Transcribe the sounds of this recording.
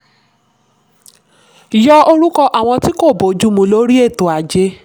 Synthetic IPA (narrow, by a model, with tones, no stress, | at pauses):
jɔ˦o˧ɾu˦kɔ˧ʔa˨w̃ɔ̃˧ti˦ko˦˨bo˨˦d͡ʒu˦mũ˧˦lo˦ɾi˦e˦˨to˨a˨d͡ʒe˧˦